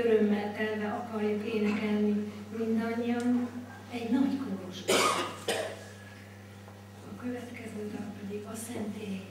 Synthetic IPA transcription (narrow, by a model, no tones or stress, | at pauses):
øɾømːɛlt̪ɛlvɛɒkɒrjukeːnɛkɛlnimind̪ɒɲːijɒn | ɛɟnɒɟkoɾuʃɛ | ɒkø̞vɛt̪kɛzøːd̪ɒmpɛd̪iɡɒsɛnt̪eː